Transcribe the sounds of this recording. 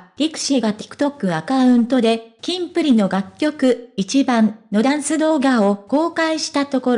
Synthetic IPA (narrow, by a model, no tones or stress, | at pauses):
ɾʲikɯ̟̥ɕiːɡat̪e̥kɯ̟̥t̪o̞kːɯ̟akaɯ̟̃nt̪o̞d̪e̞kʲĩmpɯ̟ɾʲino̞ɡakʲːo̞kɯ̟it͡ɕibãnno̞d̪ãɰ̃sɨd̪o̞ːɡao̞ko̞ːkaiɕi̥t̪at̪o̞ko̞ɾ